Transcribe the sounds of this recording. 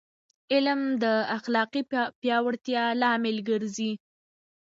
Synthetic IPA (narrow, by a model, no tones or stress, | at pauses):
ɪlmd̪əaxlɑqipjɑwaɽt̪jɑlɑmɪlɡəɾzi